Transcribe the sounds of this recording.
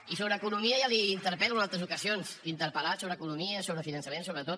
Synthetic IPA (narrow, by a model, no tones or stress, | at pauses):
isoβɾəːkunumiəjaliːnt̪əɾpɛlunalˠt̪ɾəzukəzionsint̪əɾpəlasoβɾəkunumiəsoβɾəfinənsəmensoβɾət̪ot̪̚